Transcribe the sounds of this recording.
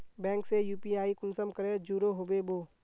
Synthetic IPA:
bɛ̃ːŋksejuːpiaːikʊnsəmkəɾed͡ʒuːɾoɦoːbeboː

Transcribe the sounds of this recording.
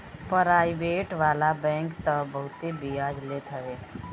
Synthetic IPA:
pəɾaːibeːʈʋaːlabɛ̃ːŋkt̪əbəɦʊt̪ebiaːd͡ʒleːt̪ɦəʋeː

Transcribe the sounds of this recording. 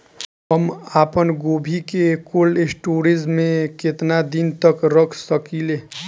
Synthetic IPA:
ɦəmaːpənɡoːbʱikekolesʈoːɾid͡ʒmẽket̪nad̪int̪əkɾəkʰsəkile

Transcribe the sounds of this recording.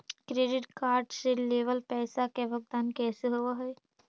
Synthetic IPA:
kɾeːɖɪʈkaːɾɖseleːʋəlpɛːsakeʋəɡ̚d̪aːnkɛːseɦoʋaɦɔj

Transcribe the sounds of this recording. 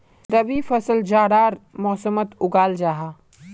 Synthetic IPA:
ɾɐbifɐsəld͡ʒaːɽaːɾmɔːsəmət̪ʊɡaːld͡ʒaːɦaː

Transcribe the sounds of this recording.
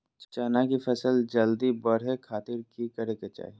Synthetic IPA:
t͡ʃt͡ʃaːnakifʰɛsəld͡ʒɐld̪ibɐɽ̤ekʰaːt̪ɪɾkikɐɾeket͡ʃa̰ːɦi

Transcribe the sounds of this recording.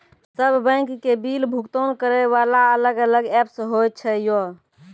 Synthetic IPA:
səbʱbə̃kːebilbʱukt̪onkəɾɛʋalaələɡələɡɛpsɦojt͡ʃʰɛjo

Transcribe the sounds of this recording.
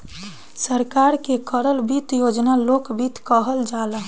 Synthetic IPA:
səɾkaɾkekəɾəlbit̪jod͡ʒnalokbit̪kəɦəld͡ʒala

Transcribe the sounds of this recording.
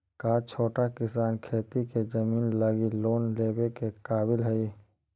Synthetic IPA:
kaːt͡ʃʰoːʈakɪsaːnkʰeːt̪iked͡ʒəmiːnləɡiloːnleːbekekaːbɪlɦɛi

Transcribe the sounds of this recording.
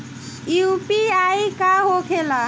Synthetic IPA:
jupiaikaɦokʰela

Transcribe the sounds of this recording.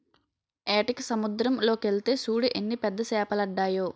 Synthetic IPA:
eːʈiksɐmud̪ɾɐmlo̞ːkelt̪e̞ːsuːɽiʔenːipɛd̪ːɐsɛːpɐlɐɖːaːjoː

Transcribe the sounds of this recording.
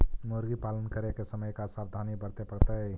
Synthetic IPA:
moɾɡipalənkəɾekesəməjkasabd̪ʱanibəɾt̪epəɾt̪əj

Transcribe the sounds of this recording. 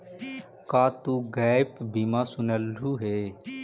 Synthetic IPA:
kaːt̪uːɡɛːpbimaːsʊnəluːɦeː

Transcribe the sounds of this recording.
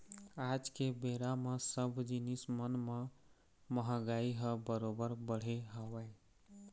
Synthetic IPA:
ad͡ʒkebeɾamesəbʱd͡ʒinismənme | məɦə̃ɡaiɦəbəɾobəɾbəɽ̤eɦəwaj

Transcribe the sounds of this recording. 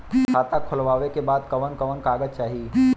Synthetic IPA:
kʰaːt̪akʰʊlʋaːʋekebaːd̪kɐʋənkɐʋənkaːɡəd͡ʒt͡ʃaːɦi

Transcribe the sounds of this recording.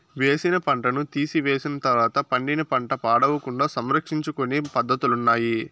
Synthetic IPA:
ʋe̞ːsinɐpɐɳʈɐnut̪iːsiʋe̞ːsinɐt̪ɐɾʋaːt̪ɐpɐɳɖinɐpɐɳʈɐpaːɽɐʋɐkuɳɖaːsɐmɾɐkʂiɲt͡ʃukonipɐd̪ʱːɐt̪ulunːaːji

